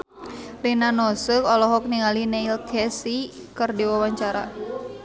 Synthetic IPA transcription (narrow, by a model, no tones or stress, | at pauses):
rinanɔsəkɔlɔɦɔk̚niŋalineilkʰɛsikɨrdiwawaɲt͡ʃaɾa̰